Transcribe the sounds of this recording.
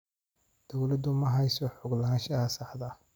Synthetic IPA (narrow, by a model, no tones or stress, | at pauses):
d̪̥ɔwlɐd̪ʊmɐɦɐjsɔħʊɡlɐɦaːnʃɐɐsɑħd̪ɐ